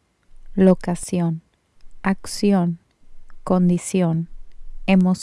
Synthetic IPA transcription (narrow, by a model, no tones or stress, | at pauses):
lokasjon | aksjon | kond̪isjonemos